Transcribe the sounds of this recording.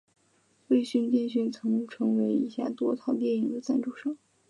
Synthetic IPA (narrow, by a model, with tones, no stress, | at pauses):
we˥˧ɪɕy˥˧nt̪i˥˧nɕ̬y˥˩nt͡sʰɤ˧˥ŋnɤ˧˥ŋʈ͡ʂʰɤ˧˥ŋwe˧˥ɪi˧˥ɕja̰˥˧˩t̪wɔ˥t̪ʰɑ˥˩ʊt̪jɛ˥˩ni˧˥ŋd̪ə˧t͡sa˥˧nʈ͡ʂu˥˩ʂɑ˥˩ŋ